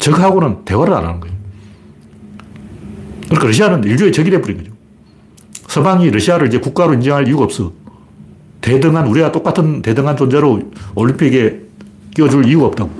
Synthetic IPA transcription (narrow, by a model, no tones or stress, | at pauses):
t͡ɕʌɡɦaɡonɯnte̞waɾɯɾa̰na̰nɯnɡʌejo | kɯɾɯkʰeɾʌɕ̬ʰianɯniɭd͡ʑoet͡ɕʌɡide̞buɾinɡʌd͡ʑo | sʰʌbaŋiɾʌɕʰiaɾɯɭid͡ʑe̞kuk͈aɾoind͡ʑʌŋɦaɭijuɡaʌːp̚s͈ʌ | te̞dɯŋanuɾiɡat͈ok͈atʰɯnte̞dɯŋɦant͡ɕond͡ʑeɾooɭimpʰiɡe̞ | k͈iʌd͡ʑuɭiuɡaːp̚t͈aɡo